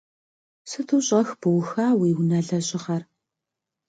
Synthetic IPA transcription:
sɨtʰuːɕʼɐxbɨwxaːwiːwnɐɮɐɕʼɪʁɐr

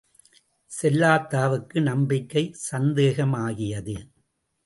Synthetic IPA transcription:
sɛlːaːt̪ːaːʋɯkːɯnɐmbɪkːɐɪsɐnd̪eːɣɐmaːɣɪjɐðɯ

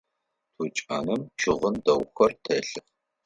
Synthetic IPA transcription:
tʰut͡ʃʼa̰ːnɨmt͡ʃʰɨʁəndɐwxɐrtʰɐɬɨ

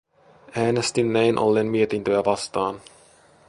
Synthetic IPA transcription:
æːnest̪inːæjnʔo̞̰lːeːnmie̞t̪int̪øæʋɑst̪ɑːn

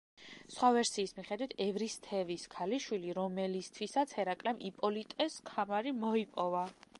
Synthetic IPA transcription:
sχwavɛɾsiːsmiχɛd̪wit̪ʰɛvɾist̪ʰɛviskʰaliʃwiliɾɔmɛlist̪ʰwisat̪sʰhɛɾakʼlɛmʔipʼɔlit̪ʼɛskʰamaɾimɔipʼɔva

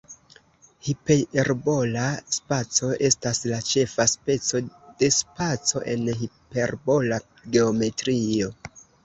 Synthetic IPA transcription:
hipeeɾbo̞laspat͡so̞ʔe̞staslat͡ʃe̞faspe̞t͡so̞d̥e̞spat͡so̞̰ʔe̞̰nɦipe̞ɾbo̞la | ɡe̞ome̞tɾio̞

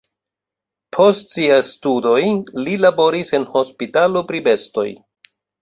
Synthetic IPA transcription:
pʰo̞stsiajstudo̞jlilabo̞ɾise̞nho̞spitalo̞pɾibe̞sto̞̰j

